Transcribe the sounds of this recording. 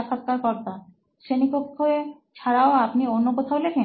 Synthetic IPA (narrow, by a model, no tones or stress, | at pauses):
kʰat̪̚kaɾkɔɾt̪a | ʃenikokɦoe | t͡ɕʰaɾaoapnionːokot̪ʰaolekʰen